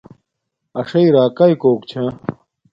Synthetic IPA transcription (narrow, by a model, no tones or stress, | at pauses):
ɐʂɐiɾaːkɐikoːkt͡ɕʰɐ̃